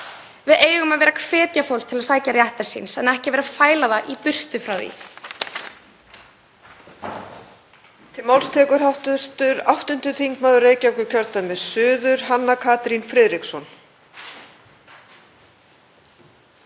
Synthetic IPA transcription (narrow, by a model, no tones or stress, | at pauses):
vɪðeːjɣʏmaðvɛːɾakʰvɛːt̪jafowlst̪ʰɪlasaːjcaɾjaht̪ɛɾ̥sḭnsɛnɛhcɪvɛːɾafaːjlaðaʔipʏr̥t̪ʏfɾawðḭ | t̪ʰɪlmawlst̪ʰɛːkʏɾ̥ɦawht̪ʏɾ̥t̪ʏɾawht̪ʏnt̪ʏθʰiŋkmaːðʏreːjcawkʏcʰœɾt̪amɛðsʏːðʏɾ̥ɦanːakʰaːt̪ɾinfɾɪːðɾiksɔn